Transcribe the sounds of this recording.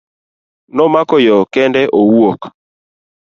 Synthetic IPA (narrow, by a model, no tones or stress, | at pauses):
nɔmakɔjɔkɛndɛʔowuok